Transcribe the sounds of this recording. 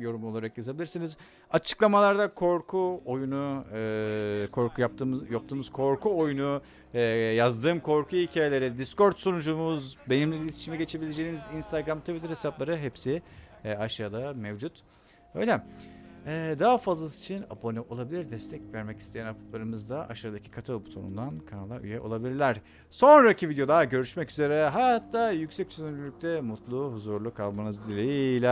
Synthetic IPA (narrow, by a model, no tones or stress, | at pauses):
jo̞ɾumo̞lˠaɾakjazabilʲiɾsiniz | at͡ʃʰɯ̥klˠamalˠaɾd̪akʰo̞ɾkʰuojunu | kʰo̞ɾkʰujap̚t̪ʰɯːmjap̚t̪ʰɯːmɯz̥kʰo̞ɾkʰuo̞junuː | jazd̪ɯːmkʰo̞ɾkʰuilʲcʰaːjelʲe̞ɾid̪isko̞ɾt̪sonud͡ʒumuzbenimlʲiilʲet̪ʰiʃimɛɟe̞t͡ʃʰe̞bilʲed͡ʒeːinizinst̪ʰaɡɾamt̪ʰuvit̪ʰɾhesaplˠaɾɯɦepsiaʃaːd̪amevd͡ʒut̪ | ø̰jlʲɛ | ɛd̪aɦafazlˠasi̥t͡ʃʰina̰bo̞nʲyʔo̞lˠabilʲiɾd̪ɛst̪ʰɛcvæɾmɛci̥st̪ʰe̞jænapʰɯ̥plˠaɾɯmɯzd̪aʔa̰ʃaːd̪acʰi̥kʰat̪ʰɯlˠbut̪ʰonṵnd̪ankʰanalˠaʔy̰jɛʔo̞lˠabilʲiɾlʲæɾ̥ | so̞nɾacʰivid̪ʲjod̪ˠaɟø̞ɾyʃmɛcyze̞ɾɛɦaat̪ʰːaːjycsɛc̚t͡ʃʰyzynylʲyc̚t̪ʰɛmut̪lˠuhuzuɾlˠukʰːalˠmanɯzd̪ilʲejilʲɛ